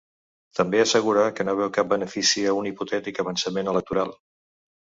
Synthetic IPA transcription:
t̪əmbeəsəɣuɾakənoβ̞ɛwkap̚bənəfisiəuniput̪ɛt̪ikəβənsəmenələk̚t̪uɾalˠ

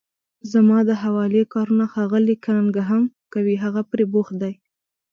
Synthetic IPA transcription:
zamɑd̪əɦawɑlekɑɾunaxɑɣəlikaɾaŋɡaɦamkawiɦaɣapɾebox̚d̪aj

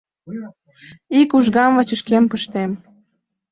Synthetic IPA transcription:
ikuʒɣɑmvɑ̆t͡ɕə̆ʃkempəʃt̪em

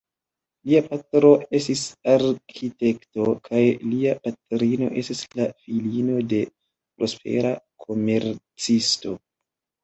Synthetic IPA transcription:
liapatɾo̞e̞stisaɾkʰite̞kto̞kʰajliapatɾino̞̰ʔe̞stislafilino̞de̞ | pɾo̞spʰe̞̰ɾakʰo̞me̞ɾt͡sisto̞

